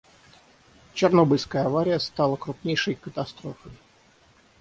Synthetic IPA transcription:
t͡ɕɪrnobɨlʲskəjəɐvaɾʲɪjəst̪ɑlˠəkɾʊpnʲejʂəjkət̪ɐst̪ɾofəj

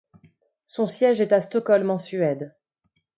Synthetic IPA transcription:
sɔ̃sjɛʒɛt̪ast̪ɔkɔlmɑ̃syɛd̪

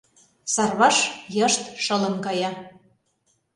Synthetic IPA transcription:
sɑrβɑʃjɤ̆ʃt̪ʃɤ̆lə̆mkɑjɑ

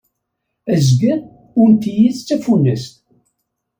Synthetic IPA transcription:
əzɡə | ʊnt̪ijiðt͡sːæfunːəst̪

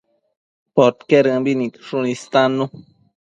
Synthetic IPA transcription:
pot̪keɾɡabinit̪ʂunist̪anu

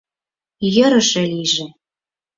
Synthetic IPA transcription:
jə̆ɾə̆ʃĕliʒĕ

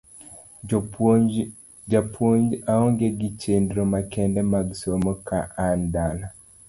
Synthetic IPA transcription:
d͡ʒapwoɲd͡ʒaɔŋɡeɡit͡ʃendɾomakɛndɛmaɡsomɔkʰaʔandana

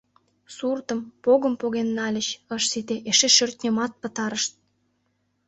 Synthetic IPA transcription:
surt̪ə̆mpoɣə̆mpoɣenːɑlʲə̆ɕəʃsit̪eʔeʃeʃørt̪̚ʲnʲəmɑt̪̚pə̆t̪ɑɾəʃt̪̚

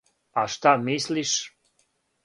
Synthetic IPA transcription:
aʃt̪amisliʃ

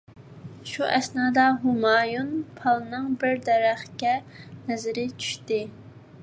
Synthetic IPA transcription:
ʃuʔɛsnɑːd̪ɑɦumɑːjunpʰɑlˠnɨŋbɪɾd̪ɛɾæχkʲɛ | nɛzɪɾɪt͡ʃʰy̥ʃt̪ɪ

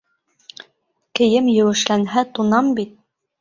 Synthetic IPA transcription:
kɘ̆jɘmjɘ̆wɘ̆ʃlænɦæt̪unɑmbit̪̚

